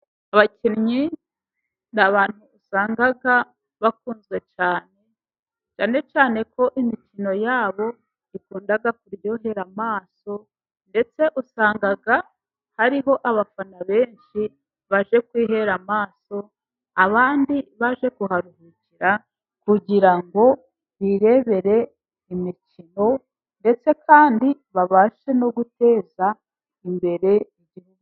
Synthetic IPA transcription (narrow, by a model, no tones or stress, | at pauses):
aβaciɾɲi | naβaːn̥huːsaːŋɡaɡa | βakuːnzɡe̞t͡ʃaːne̞ | t͡ʃaːne̞t͡ʃaːne̞kʰo̞ʔimicino̞jaːβo̞ | ikuːndaɡakuɾjo̞ɦe̞ɾamaːso̞ | nde̞t͡se̞ʔusaːŋɡaɡa | haɾiɦo̞ʔaβafanaβe̞ːnʃi | βaʒe̞kwiːɦe̞ɾamaːso̞ | aβaːndiβaʒe̞kuɦaɾuɦuciɾa | kuɟiɾaŋɡo̞ | βiɾe̞βe̞ɾe̞ | imicino̞ | nde̞t͡se̞kʰaːndiβaβaːʃe̞no̞ɡute̞ːza | imbe̞ɾe̞iɟihuɡu